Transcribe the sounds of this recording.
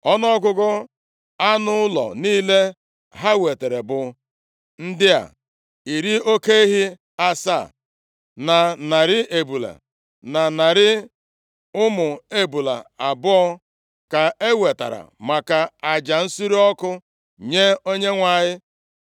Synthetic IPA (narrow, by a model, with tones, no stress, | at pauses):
ɔ˦nɔ˦ɡʊ˦ɡɔ˦ | a˦nʊ˦ʊ˦lɔ̰˨niː˦le˦ | ɦa˦we˨te˨ɾe˨bʊ˨ | n̩˦dɪ˦a̰˨ | i˨ɾi˦o˦ke˦i˦ɦi˦ | a˦sa̰˦˨ | na˨na˨ɾɪ˦ʔe˨bu˨la̰˨ | na˨na˨ɾɪ˦ | ʊ˦mʊ˨e˦bu˨la̰˨a˨bʊ˦ɔ˦ | ka˨e˦we˨ta̰˨ɾa̰˨ma˨ka˨a˨d͡ʒa˨n̩˦si˦ɾi˦ɔ˦kʊ˦ | ɲe˦o˦ɲe˦ŋʷa˨ɲɪ˦